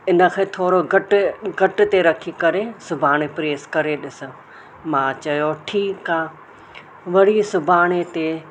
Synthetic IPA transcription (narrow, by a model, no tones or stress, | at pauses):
ɪnə̆kʰẽːt̪ʰoːɾoɡɐʈɡɐʈt̪eɾɐkʰikɐɾesʊbʱaːɽ̃epɾeːskɐɾeɗɪsʊ̆ | mãːt͡ɕɐjoʈʰiːkaː | ʋɐɽ̤isʊbʱaːɽ̃et̪e